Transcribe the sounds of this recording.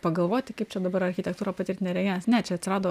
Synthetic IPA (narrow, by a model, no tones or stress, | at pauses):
pɐɡɐlˠʋoːttʲɪkɐɪpt͡ʃʲɛd̪ɐbɐɾɐɾʲxʲɪt̪ʲɛkt̪uːɾɐpɐt̪ʲɪɾʲt̪ʲɪnʲeɾʲɛɡʲeːnɐsnʲɛt͡ʃʲɛɐt̪ʲsʲɪɾɑːd̪oː